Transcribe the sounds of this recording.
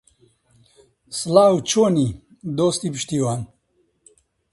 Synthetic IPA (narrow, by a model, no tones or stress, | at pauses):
slaːwt͡ʃoni | d̪oːst̪ipʃt̪iwan